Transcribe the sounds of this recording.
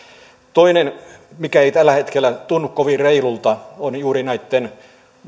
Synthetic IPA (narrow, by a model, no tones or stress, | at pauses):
t̪oinenmikæeit̪ælːæhet̪kelːˑæt̪unːukkoʋireilult̪ɑonjuːrinæit̪ːen